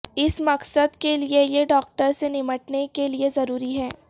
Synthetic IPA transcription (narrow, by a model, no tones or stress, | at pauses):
ɪsmɐqsəd̪keliejeɖɔːk̚ʈəɾsenɪməʈnekeliezɐɾuːɾiɦɛː